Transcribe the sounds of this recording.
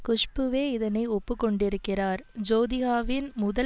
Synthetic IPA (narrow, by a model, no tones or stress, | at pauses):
kʊʂpɯʋeːɪðɐnɐɪɔpːɯkːɔɳɖɪɾɯkːɪraːɾd͡ʒoːðɪɣaːʋɪnmʊðɐ